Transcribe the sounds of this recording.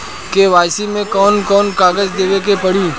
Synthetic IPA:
keʋaːjsimẽkɔːnkɔːnkaːɡəzd̪eːʋekepɐɽ̤iː

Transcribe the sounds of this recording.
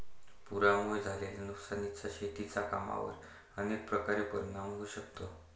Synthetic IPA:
puɾamuɭd͡zʱaleljanuksanit͡saɕet̪it͡saka̰ma̰ʋə̰ɾ | ənek̚pɾəkaɾipəɾnamuɡʱuːɕək̚t̪o

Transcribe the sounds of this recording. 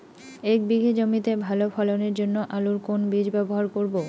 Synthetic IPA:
ek̚biɡʱid͡ʑomit̪ebʱalofʰɔloneɾd͡ʑonːoʔaluɾkonbid͡ʑbɛboɦaɾkoɾbo

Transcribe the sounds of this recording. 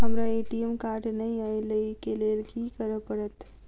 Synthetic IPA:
ɦɐmɾaeːʈiemkaːɾʈnɐĩailəikeleːlkikəɾəpəɾət̪

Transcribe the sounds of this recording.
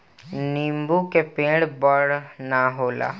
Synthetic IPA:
niːmbukepẽːɽbəɽnaɦoːla̰ː

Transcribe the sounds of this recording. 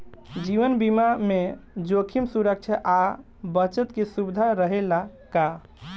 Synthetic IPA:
d͡ʒiʋənbimamed͡ʒokʰimsuɾək̚t͡ʃʰəʔa | bət͡ʃət̪kesubd̪ʱaɾəɦelaka

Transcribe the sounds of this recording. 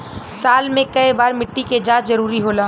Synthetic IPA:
saːlmẽkɐibaːɾmɪʈːiked͡ʒãːt͡ʃzɐɾuːɾiɦoːlaː

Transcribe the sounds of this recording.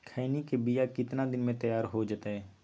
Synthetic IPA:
kʰaːnikebijakɪt̪nad̪ɪnmẽt̪ɐjaːɾɦod͡ʒat̪aɦɛː

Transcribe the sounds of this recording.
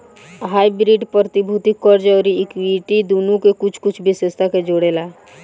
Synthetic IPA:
ɦaːibɾiːɖpɾət̪ɪbʱuːt̪ɪkːɔɾd͡ʒɔːɾiɪkiːʈid̪oːnukekʊt͡ʃʰkʊt͡ʃʰbʱɪsest̪ʰaked͡ʒoːɽeːlaː

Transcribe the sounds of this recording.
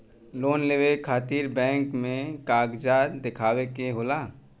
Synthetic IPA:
loːnleːʋekʰaːt̪iːɾbɛ̃ːŋkmẽkaːɡd͡ʒaːd̪ɪkʰaːwekeɦoːlaː

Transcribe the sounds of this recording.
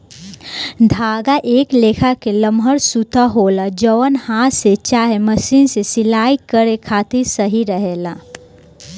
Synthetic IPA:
d̪ʱaːɡaʔeːkleːkʰakeləmɦəɾsut̪aɦoːlad͡ʒəʋənhãset͡ʃaːɦeməsiːnsesɪlaːikəɾekʰaːt̪ɪɾsəɦiɾəɦelaː

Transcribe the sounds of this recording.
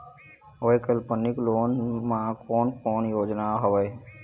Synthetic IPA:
oekəlpənikloːnmãkoːnkoːnjoːd͡ʒnaɦoʋəj

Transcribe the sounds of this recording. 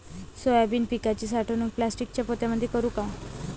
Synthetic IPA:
sojabiːnpikat͡ɕiːsaʈʰnũːŋk̚plasʈik̚t͡ɕjapot̪jaməd̪ʱːjekəɾuːka

